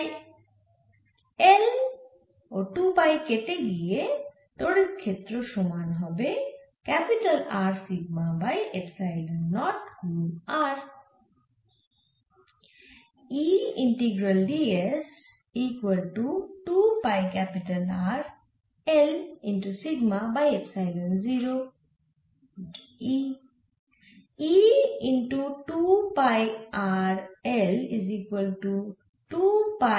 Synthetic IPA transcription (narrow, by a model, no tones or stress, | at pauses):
el | oʈuːpajkeʈeɡie | t̪oɽikʰet̪ɾoʃumaːnɦɔbe | kɛpɪʈəlaːɾsiɡ̚mãbajepsaɪɖnɔːʈkuːaːɾ | iːɪ̃ɳʈiɡɾəlːies | iːkwəlʈuʈupajkɛpɪʈɐlaːɾ | ɛlĩnʈusiɡmabajepsaɪɖə̃nziɾo | i | iĩnʈuʈupajaɾɛliziːkwəlʈu | ʈupa